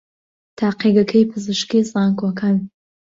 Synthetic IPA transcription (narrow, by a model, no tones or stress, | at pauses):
tʰaːqiɡɐkʰɐjpʰɨzɨʃkizʼaːŋkʰwɐkʰan